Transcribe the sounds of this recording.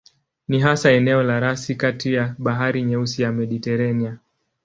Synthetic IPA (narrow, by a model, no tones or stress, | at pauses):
niɦasaɛnɛɔlaɾasikatijaɓaɦaɾiɲɛusijamɛɗitɛɾania